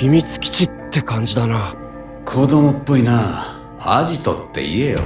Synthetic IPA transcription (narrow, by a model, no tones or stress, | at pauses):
çimʲit͡sɨ̥kʲi̥t͡ɕit̪ːe̞kãɲ̟d͡ʑid̪ana | kʰod̪omopːo̞inaː | aʑit̪o̰t̪ːe̞̰ḭe̞jo̰